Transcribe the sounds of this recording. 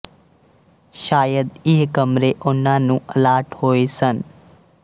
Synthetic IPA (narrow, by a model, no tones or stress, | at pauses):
ʃaːjəd̪ɪɦkəmɾeʔʊnãːnũːəlaːʈhoːesən